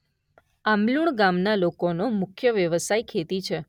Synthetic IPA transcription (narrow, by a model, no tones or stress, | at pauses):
amluɳɡamnalokonomʊkʰjəʋjəʋəsajkʰet̪it͡ʃʰe